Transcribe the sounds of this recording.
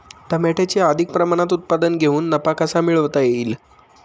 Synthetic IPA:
t̪amɛʈʰet͡ɕeəd̪ʱik̚pɾəmaɽ̃at̪ut̪̚pad̪ənɡʱeuːnːəpakasamiɭəʋt̪ajeiːl

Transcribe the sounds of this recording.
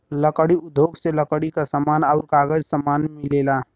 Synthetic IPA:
ləkəɽiʊd̪ʱːoɡseləkəɽikasəmaːnəʊɾkaːɡəd͡ʒsəmaːnmɪleːla

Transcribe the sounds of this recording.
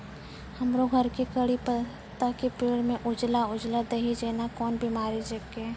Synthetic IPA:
hɐmɾoɡʱɐɾkikɐɽipɐ | t̪akipeːɽmẽʔʊd͡ʒlaʊd͡ʒlad̪ɐɦid͡ʒeːnakɔːnbʱimaːɾed͡ʒekeː

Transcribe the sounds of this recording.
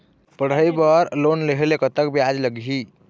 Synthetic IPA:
pəɽ̤əibəɾlonleɦelekət̪əkbiad͡ʒləɡɦi

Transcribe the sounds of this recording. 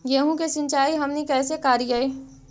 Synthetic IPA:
jeːɦũkesɪ̃nt͡ʃaːiɦɐmnikɛːsekaːɾijaiː

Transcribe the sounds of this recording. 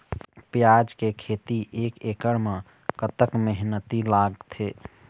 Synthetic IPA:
pjad͡ʒkekʰet̪iʔekekəɾme | kət̪əkmeɦnət̪ilaɡt̪ʰe

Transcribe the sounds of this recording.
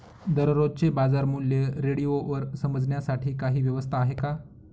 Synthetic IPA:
d̪əɾɾod̪̚t͡sebad͡zaɾmuljeɾeɽijoʋəɾsəməd͡zɳjasaʈʰiːkaɦiːʋjəʋəst̪ʰaːɦeka

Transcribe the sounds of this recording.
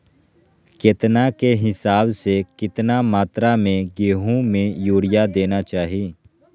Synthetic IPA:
keːt̪nakeɦɪsaːbsekɪt̪namaːt̪ɾamẽɡeːɦõmẽjoːɽɪjad̪eːnat͡ʃaːɦiiː

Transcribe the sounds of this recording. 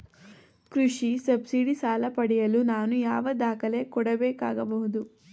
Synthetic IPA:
kɾuʂisɐbsiɽisaːlɐpɐɽɛjɐlunaːnujaːʋɐd̪aːkɐle̞kɔɽɐbeːkaːɡɐbɐɦud̪u

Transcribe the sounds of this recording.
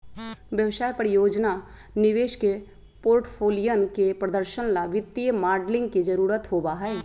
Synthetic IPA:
ʋjəwsaːjpəɾjoːd͡ʒna | nɪʋeːʃke | poːɾʈpʰoːlijənkepɾəd̪əɾʃənlaʋɪt̪ːijəmaːɾɖlɪ̃ŋɡ̚kid͡ʒəɾuːɾət̪ɦoːbaɦɛɛ

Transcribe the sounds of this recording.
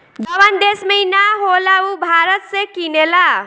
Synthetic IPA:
dʌwand̪esməinaɦolaubʱaɾət̪sekinela

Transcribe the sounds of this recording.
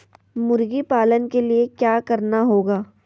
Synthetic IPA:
mʊɾɡipaːlənkeliekjaːkɐɾnaɦoːɡaː

